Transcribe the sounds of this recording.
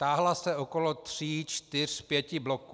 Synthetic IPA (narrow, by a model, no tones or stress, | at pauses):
t̪aːɦlasɛokolot̪r̝̥iːt͡ʃt̪ɪr̝̥pjɛcɪblo̞ku